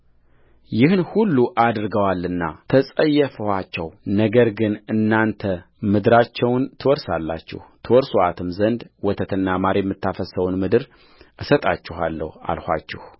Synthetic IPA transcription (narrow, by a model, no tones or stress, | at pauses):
jɪhnhulːuʔad̪ɾɡəwalːɨnːa̰t̪ʰəsʼəjːɛfəhat͡ʃːɛwnəɡəɾɡɨnɨnːant̪ʰə | mɨd̪ɨɾat͡ʃːɛwnt̪ʰɨwɔɾsalːa̰t͡ʃːɪ̰ht̪ʰɨwɔɾsoʔat̪ʰɨmzənd̪wɔt̪ʰət̪ʰɨnːamaɾejmːɨt̪ːafəsəwnmɨd̪ɨɾ | ʔɨsət̪ʼat͡ʃːɪɦalːə̰ha̰lhʷa̰t͡ʃːɛh